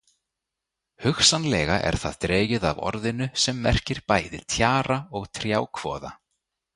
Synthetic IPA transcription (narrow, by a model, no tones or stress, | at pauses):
hʏxsanlɛːɣaʔɛ̰ɾ̥θa̰ðt̪ɾeːjɪða̰vɔ̰ɾðɪnʏsɛmːɛr̥cɪɾ̥paːjðɪt̪ʰjaːɾaɔɣt̪ʰɾjaːwkʰvɔ̰ːða